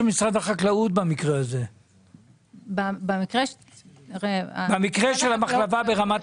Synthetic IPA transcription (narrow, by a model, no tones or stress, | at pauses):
misʁad̪haχaklaut̪̚bamikʁeaze̞ | babemikʁe | ʁebamikʁeʃelamaχlavabe̞ʁamat